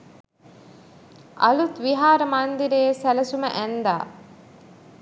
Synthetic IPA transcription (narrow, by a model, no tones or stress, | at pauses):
ʔɐlut̪ʋiɦaːɾəmand̪iɾeːsælɐsumə̰ʔænd̪aː